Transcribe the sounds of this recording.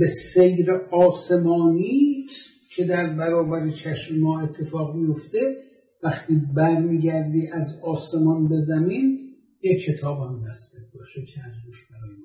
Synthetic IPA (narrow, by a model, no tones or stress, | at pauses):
besejɾeʔɒːse̞mɒːniː | cʰe̞d̪æɾbæɾɒːbæɾet͡ʃʰæʃmemɒːe̞t̪ʰːe̞fɒːɣmijo̞ft̪e | væxt̪ʰiːbæɾmiːɟæɾd̪iːʔæzɒːse̞mɒnbe̞zæmiːn | jekʰːe̞t̪ʰɒːbhæmbæsd̪ebɒːʃekʲʰeæzd̪uʃbæɾɒːje